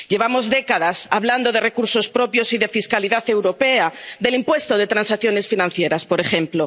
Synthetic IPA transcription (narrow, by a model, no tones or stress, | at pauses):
ɟ͡ʝe̞β̞amo̞zðe̞kaðasaβland̪o̞ð̞e̞re̞kuɾso̞spɾo̞pjo̞siðe̞fiskaliðaθe̞wɾo̞pe̞aðe̞limpwe̞st̪o̞ð̞e̞t̪ɾansakθjo̞ne̞sfinãnθje̞ɾaspo̞ɾe̞xe̞mplo̞